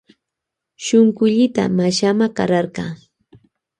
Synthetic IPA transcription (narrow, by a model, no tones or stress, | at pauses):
ʃʊŋkʊʎɪt̪a̰maʃamaɢɑ̰ɾɑɾɢɑː